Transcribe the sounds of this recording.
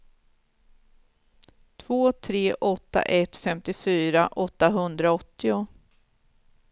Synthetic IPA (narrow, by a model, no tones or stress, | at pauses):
t̪ʰv̥oːt̪ʰɾeːʔɔt̪ːa̰ʔɛt̪fɛmt̪ɪfyːɾaʔɔt̪ːaɦɵnd̪ɾaɔt̪ːɪʊ